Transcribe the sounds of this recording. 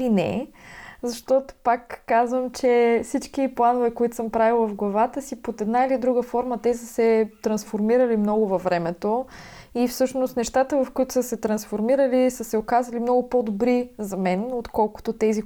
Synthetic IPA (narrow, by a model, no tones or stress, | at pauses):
inɛ̰ | zɐʃt̪ɔt̪o̥pakːazvəmt͡ʃɛfsit͡ʃkiplˠanovɛkoit̪ʊ̥səmpɾavilˠvɐfɡlˠɐvat̪əsipot̪ɛd̪nailid̪ɾuɡəfɔɾmət̪ɛsəsɛt̪ɾɐnsfoɾmiɾəlimnɔɡʊvɐvːɾɛmɛt̪o | ifsɤʃnost̪nɛʃt̪at̪əvɐfkoit̪ʊ̥səsɛt̪ɾɐnsfoɾmiɾəlisəsɛokazəlimnɔɡʊpod̪obɾizɐmɛnot̪kɔlˠkʊ̥t̪ot̪ɛzi